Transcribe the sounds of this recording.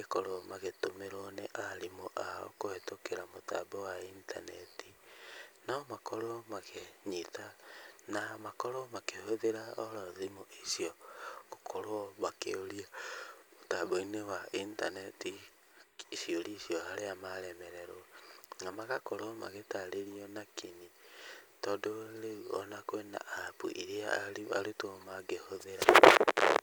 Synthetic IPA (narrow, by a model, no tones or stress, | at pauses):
ekoɾomaɣetomeɾɔneʔaɾimoʔao̰kohetokeɾamota̰bɔwaintʰa̰nɛtinamakoɾomaɣeɲitanamakoɾomakehoðeɾaɔɾɔðimoʔisiɔkokʰoɾɔβakeoɾiaotaboinewaintanɛti | ʃioliʃiɔhaɾeamaɾɛmɛɾɛɾoŋamakakoɾoma̰ɣetaɾeɾiɔnakʰiɲitɔdoɾeuɔnakwena̰apṵʔiɾeaaɾia̰ɾetomaɡehoðeɾa